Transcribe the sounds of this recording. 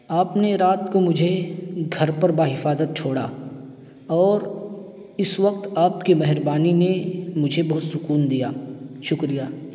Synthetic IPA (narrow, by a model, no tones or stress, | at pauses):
aːpneɾaːt̪komʊd͡ʒʱeɡʱɐɾpɐɾbaːɦɪfaːzət̪̚t͡ʃʰoːɽaː | ɔːɾ | ɪsʋɐq̚t̪aːp̚kimɛɦɾbaːninemʊd͡ʒʱebɔɦt̪sʊkuːnd̪ijaːʃʊkɾijaː